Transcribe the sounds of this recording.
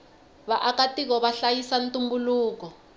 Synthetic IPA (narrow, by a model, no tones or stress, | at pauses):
βaʔakatik̬ɔβaɬajisantumbuluːk̬ɔ